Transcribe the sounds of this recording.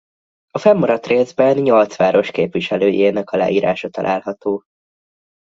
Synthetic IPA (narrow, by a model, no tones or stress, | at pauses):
ɒfɛmːɒɾɒt̪reːzbɛnɲo̞lt̪sʋaːɾo̞ʃkeːpviʃɛløːjeːnɛkɒla̰ːiːɾa̰ːʃɒt̪ɒ̰lʔaːlɦɒt̪oː